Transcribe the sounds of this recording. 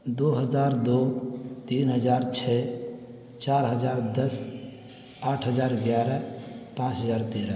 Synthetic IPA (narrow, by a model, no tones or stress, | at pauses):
d̪oɦəd͡ʒaːɾd̪ot̪iːnɦəd͡ʒaːɾt͡ʃʰɛ | t͡ʃaːɾɦəd͡ʒaːɾd̪əs | aːʈʰɦəd͡ʒaːɾɡjaːɾɛpãt͡ʃɦəd͡ʒaːɾt̪eɾə